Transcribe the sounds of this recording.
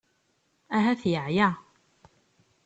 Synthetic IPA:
ʔæɦæθjəʕja

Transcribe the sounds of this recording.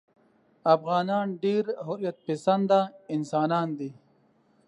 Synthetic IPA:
ɐfɣaːnaːnɖeːɾɦoɾjɐt̪̚pisɐnd̪aːinsaːnaːnd̪i

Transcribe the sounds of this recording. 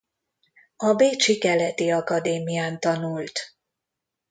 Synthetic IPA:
ɒbeːt͡ʃikɛlɛt̪iɒkɒd̪eːmijaːnt̪ɒnult̪

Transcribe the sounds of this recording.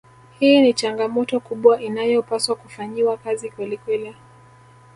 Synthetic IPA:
hiːnit͡ʃaŋɡamɔtɔkuɓwaʔinajɔpaswakufaɲiwakazikwɛlikwɛli

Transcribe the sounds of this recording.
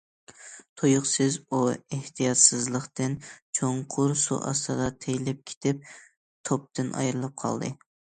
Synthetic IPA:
t̪ʰojʊχsɪzueht̪ʰijɑt̪sɨzlˠəχt̪ɨnt͡ʃʰoɴqʰʊɾsṵʔɑ̰st̪ʰɨd̪ɑt̪ʰejlɪp̚kʲʰe̥t̪ʰɪp̚ | t̪ʰop̚t̪ɨnʔɑ̰jɾɨlˠɨp̚qʰɑ̰lˠd̪ɨ

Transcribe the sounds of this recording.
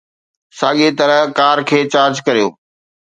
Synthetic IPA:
saːɠet̪ɐɾəkaːɾkʰeːt͡ɕaːɾd͡ʑkɐɾijo̰ː

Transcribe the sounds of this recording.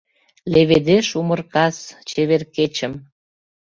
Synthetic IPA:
leβed̪eʃumərkɑst͡ɕeβerket͡ɕə̆m

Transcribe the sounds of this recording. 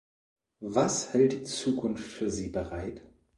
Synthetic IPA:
vashɛlt̚d̥it͡suːkʰʊnftfyːɐziːbəʁaɪt

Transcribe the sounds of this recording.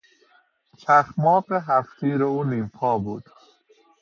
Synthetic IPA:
t͡ʃʰæxmɒːbeɦæft̪ʰiːɾouniːmpʰɒːbuːd̪̥

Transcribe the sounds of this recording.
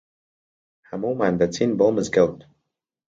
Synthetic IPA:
hamumand̪at͡sʰinbɔlˠməzɡɪlˠt

